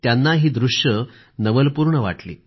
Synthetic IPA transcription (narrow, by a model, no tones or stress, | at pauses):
t̪janːaɦiːd̪ɾuʂjə | nəʋəlpuɾɳəʋa̰ʈlḭː